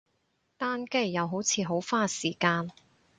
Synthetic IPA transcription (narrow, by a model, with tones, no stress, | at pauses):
t̪aː˥nke˥˩jːɐ˨˧wɦo˨˥wt͡sʰiː˨˧ɦo˨˥wfaː˥siː˨˩kaː˧n